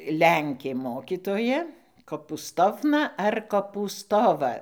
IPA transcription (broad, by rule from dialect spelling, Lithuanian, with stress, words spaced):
ˈlʲɛŋʲkʲeː ˈmoːkʲiːtoːjɛ koːpuːˈstoːwnɐ ɐr koːpuːˈstoːʋɐ